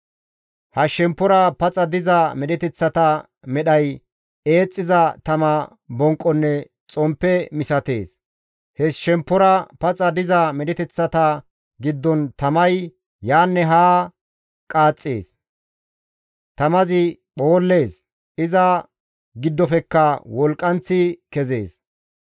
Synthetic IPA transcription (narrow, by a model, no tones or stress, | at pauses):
hɐʃɛmpːɔɾɐpɐt͡sʼɐd̪ɪzɐmɛɗɛt̪ɛt͡sːɐt̪ɐ | mɛɗɐj | e̞ːt͡sʼːɪzɐt̪ɐmɐ | bɔŋkʼːɔnːɛ | t͡sʼɔmpːɛmɪsɐt̪e̞̰ːs | hɛsʃɛmpːɔɾɐpɐt͡sʼɐd̪ɪzɐmɛɗɛt̪ɛt͡sːɐt̪ɐ | ɡɪd̪ːɔnt̪ɐmɐj | jaːnːɛɦaː | kʼaːt͡sʼːḛːs | t̪ɐmɐzɪ | ɓo̞ːlːe̞ːs | ʔɪzɐ | ɡɪd̪ːɔfɛkːɐwɔlkʼːɐnt͡sːɪkɛzḛːs